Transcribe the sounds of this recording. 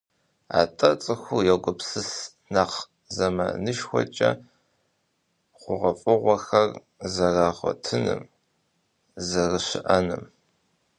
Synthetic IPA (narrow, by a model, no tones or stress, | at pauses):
a̰ːtʼɐt͡sʼɨxʷujɛkʷʼʊpsɨs | naχ | zɐmɐ̰nɨʃxʷɔ̰t͡ʃʼɐ | qʷʊʁɐfʼɨʁʷɔxɐr | zɐraːʁʷɔ̰tʰɨnɨ̰m | zɐrɨɕɪʔɐnɨm